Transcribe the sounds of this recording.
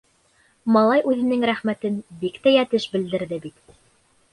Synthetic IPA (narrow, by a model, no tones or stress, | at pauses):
mɑlˠɑjʔʉðɘ̆nɘŋɾæχmæt̪ɘnbikt̪æjæt̪ɘʃbɘ̆ld̪ɘ̆ɾðɘbit̪